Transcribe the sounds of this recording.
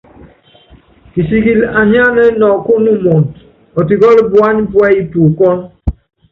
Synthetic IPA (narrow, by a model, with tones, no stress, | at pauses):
ki˨si˨ɡi˨la˨ɲa˦nɛ˦nɔ˨ko˦nu˦mɔ˨nt | ɔ˨ti˨ɡɔ˦lbwa˦nbwɛ˦i˦tu˨kɔ˦n